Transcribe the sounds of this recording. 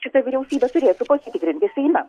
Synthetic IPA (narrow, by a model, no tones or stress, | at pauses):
ʃʲɪt̪ɐʋʲiɪɾʲɛʊsʲiːbʲɛt̪ʊɾʲeːt̪ʊpoːsʲit̪ʲɪkɾʲɪnʲt̪ʲɪsʲɛɪmʲɐ